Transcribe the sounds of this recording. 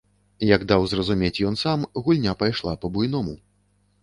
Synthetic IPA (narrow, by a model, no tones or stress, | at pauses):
jɐɡd̪awzrɐzumʲet͡sʲjɔnsamɣulʲnʲapajʂlˠapɐbujnɔmu